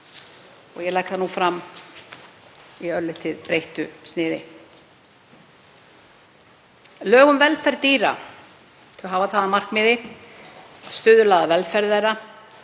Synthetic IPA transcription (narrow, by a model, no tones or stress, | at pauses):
ɔɣjɛlɛkθanufɾamː | iœɾlɪt̪ʰɪðpɾejht̪ʏst̪nɪːðɪ̰ | lœːɣʏmvɛlfɛɾt̪iːɾa̰ | θʰœɦavat̪haːðamar̥kmɪːðɪ | ast̪ʏːðʏlaːðavɛlfɛɾðejɾa